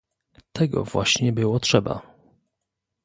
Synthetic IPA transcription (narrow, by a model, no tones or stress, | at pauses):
t̪ʰɛɡɔ̰vwa̰ɕɲɛbɘwɔtʂɛba̰